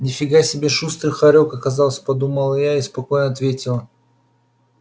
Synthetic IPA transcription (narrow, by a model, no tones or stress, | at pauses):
nʲɪfʲɪɡajsʲɪbʲeʂust̪ɾɨxɐɾʲokɐkɐzɑlˠəsʲpɐd̪uməlˠjaispɐko̞jnəɐɐt̪vʲetʲɪlˠə